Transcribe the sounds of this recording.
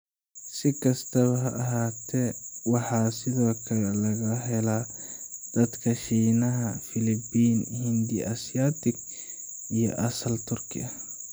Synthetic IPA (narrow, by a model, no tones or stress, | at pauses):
sɪkʰɐst̪ʰɐβɐɦɐʔɐɦaːt̪ʰɛwɑħɑːsɪðɔːkʰɐɾɛlɐɣɐɦɛla | d̪̥ɐd̪kʰɐʃiːnɐɦɐfɪlɪbiːnhɪnd̪ḭʔɐsɪjaːt̪ʰɪɡ | ijɔ̰ʔɐsɐlt̪ʰʊrkʰɪ̰ɐ